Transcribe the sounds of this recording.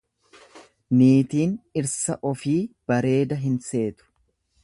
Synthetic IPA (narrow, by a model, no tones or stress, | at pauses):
niːt̪iːnɪɾsɐʔɔfiːb̥ɐɾe̞ːd̪ɐɦɪnse̞ːt̪ʊ̥